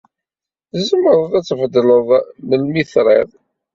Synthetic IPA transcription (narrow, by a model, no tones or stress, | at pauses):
θzəmːəɾˤəðˤæt͡sːəfd̪ləðˤnəlmiθɾˤḭðˤ